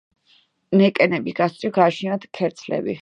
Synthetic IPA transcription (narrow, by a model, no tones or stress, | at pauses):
nɛkʼɛnɛbiɡast̪ʼiɡaːʃinat̪kʰɛɾt̪sʰlɛ̰bḭ